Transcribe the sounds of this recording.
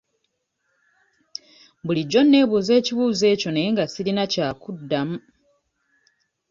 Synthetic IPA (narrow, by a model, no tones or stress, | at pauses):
buliɟːo̞nːe̞ːβuːze̞ːciβuːze̞ːco̞neeŋɡasilinacaːkudːamu